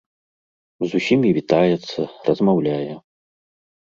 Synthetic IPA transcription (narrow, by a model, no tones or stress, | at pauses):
zusʲimʲivʲit̪ajɛt̪sːɐrɐzmawlʲajɛ